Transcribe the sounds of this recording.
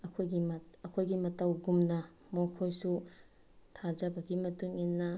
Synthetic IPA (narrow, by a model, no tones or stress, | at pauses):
ɐkʰojɡimɐɐkʰojɡimɐtɐwɡumnɐ | mokʰojsu | tʰad͡ʒɐbɐɡimɐtuŋinːɐ